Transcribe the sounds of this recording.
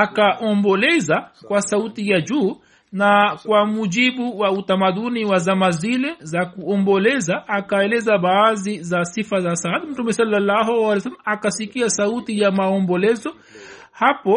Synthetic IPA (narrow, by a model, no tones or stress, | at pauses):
akaʔɔmbɔlɛzakwasautijad͡ʒuː | nakwamuʄiɓuwautamaɗuniwazamazilɛzakuɔmbɔlɛzaʔːkaɛlɛzaɓaːzizasifazasaatm̩tumɛsalːalːaɦualɛjɔs̬almakasikiasautijamaɔmbɔlɛzɔ | hapɔ